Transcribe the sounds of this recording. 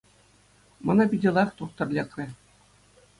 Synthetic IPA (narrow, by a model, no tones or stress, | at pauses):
mɤ̆nɑpʲidʲɘ̆lˠɑχt̪uχt̪ɤ̆rʲlʲekrʲɘ̆